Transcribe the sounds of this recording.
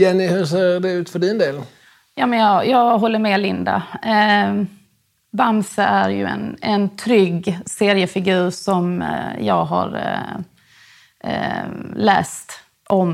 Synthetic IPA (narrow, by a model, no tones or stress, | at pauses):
jɛnːɪhɵs̬eːɾd̪ɛʉ̟ːt̪fœɖɪnd̪eːl | jɑːmɛnjɑjɑːɡɦɔlːəɾmɛlɪnd̪a̰ | bamsəʔæɾjɵ̰ɛ̰nɛnt̪ʰɾʏɡseːɾɪəfɪɡʉ̟ːɾʂɔmjɑ̰ːɡɦa̰ɾ | lɛ̰ːst̪ | ʔɔm